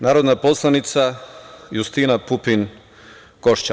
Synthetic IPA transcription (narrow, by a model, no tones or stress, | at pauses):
naːɾod̪napo̞slˠanit̪sajust̪inapupin | ɡ̥oʃt͡ɕa